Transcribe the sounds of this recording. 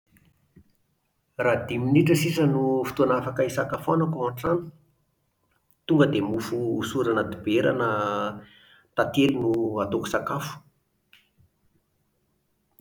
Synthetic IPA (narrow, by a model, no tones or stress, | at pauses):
rad̪iminiʈ͡ʂəsisənufi̥t̪oanafakaisakafanakuaɳʈ͡ʂani̥ | t̪uŋɡəd̪emufuːsuɾanad̪ibeɾa̰nə | t̪at̪elinuat̪oku̥sakafu̥